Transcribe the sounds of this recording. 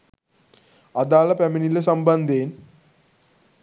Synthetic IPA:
ɐd̪aːlɐpɐminilɐs̬ɐmbɐnd̪ʱeːn

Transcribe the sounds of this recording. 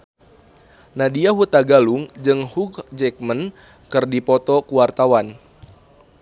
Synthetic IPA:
nadiaɦut̪aɡaluŋd͡ʒɨŋhuɡd͡ʒɛk̚mən | kɨrdipɔt̪ɔkuwart̪awan

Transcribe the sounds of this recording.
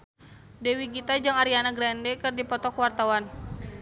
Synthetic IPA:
dɛwiɡit̪ad͡ʒɨŋaɾianaɡɾɛndɛkɨrdipɔt̪ɔkwart̪awan

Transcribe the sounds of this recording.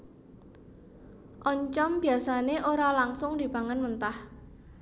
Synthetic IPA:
ʔɔɲt͡ʃɔmbi̤asaneʔoɾalaŋsʊŋd̪̥i̤baŋənmənt̪ah

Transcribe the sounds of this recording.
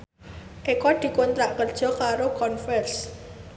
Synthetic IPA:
ʔekɔd̪̥i̤kont̪ɾaʔkərd̥ʒ̥ɔ̤kaɾokɔnfɛrs

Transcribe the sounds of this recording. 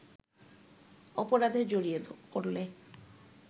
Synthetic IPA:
ɔpoɾad̪ʱed͡ʑoɾiepoɾle

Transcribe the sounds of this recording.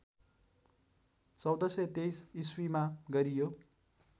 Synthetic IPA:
t͡sʌwd̪ʌsʌt̪ejsiswimaɡʌɾijo

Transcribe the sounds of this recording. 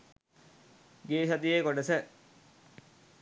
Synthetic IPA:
ɡeːʃɐt̪iekoɖəsə

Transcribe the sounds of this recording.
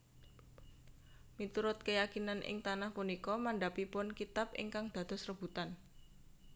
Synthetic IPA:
mit̪uɾʊt̪̚kəjakinanʔɪ̰ŋt̪anahpunikɔmaɳɖapipʊnkit̪apʔɪ̰ŋkaŋd̪̥a̤d̪ɔ̤srəb̥ṳt̪an

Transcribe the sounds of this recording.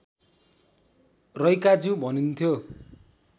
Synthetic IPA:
rʌjkad͡zũbʱʌnunt̪ʰjo

